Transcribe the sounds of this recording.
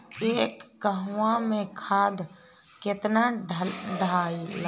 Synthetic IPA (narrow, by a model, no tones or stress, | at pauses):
eːkːəɦʋãmẽkʰaːd̪ʱ | kɪt̪na | ɖʱaːil